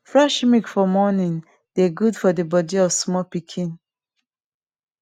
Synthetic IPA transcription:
fɹaʃmikfɔmɔnĩŋ | d̥eɡudfɔdəbɔdiɔvsmɔpikʰĩn

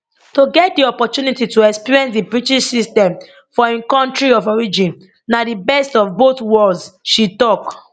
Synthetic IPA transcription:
toɡɛt̚diɔpɔtunitituɛkspiɹiɛ̃nsdibɹitiʃsistɛ̃m | fɔɛ̃nkɔ̃ntɹiɔvɔɹid͡ʒĩn | nadibɛstɔvboθwɔldzʃitɔk

